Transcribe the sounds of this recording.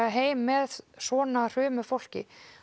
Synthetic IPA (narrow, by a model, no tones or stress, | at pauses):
aɦeːjmːɛðsɔːnar̥ʏːmʏfowl̥cɪ̰